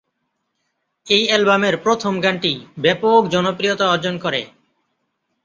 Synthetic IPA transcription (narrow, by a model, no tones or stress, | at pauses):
ejɛlbameɾpɾot̪ʰomɡaɳʈibɛpokd͡ʑɔnopɾijot̪aɔɾd͡ʑonkɔɾḛ